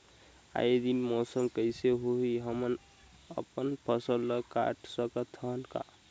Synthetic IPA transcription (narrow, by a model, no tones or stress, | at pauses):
a̰ed̪inmɔsəmkəjseɦoɦiɦəmən | ə̰pənpʰəsəlːəka̰ʈʰsəkət̪ʰəɦnka̰